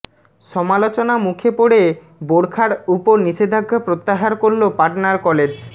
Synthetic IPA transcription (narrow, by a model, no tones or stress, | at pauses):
ʃɔmalot͡ɕonamukʰepoɽe | boɽkʰaɾupoɾniʃed̪ʱaɡʱːapɾot̪ːaɦaɾkoɾlopaʈnaɾkɔled͡ʑ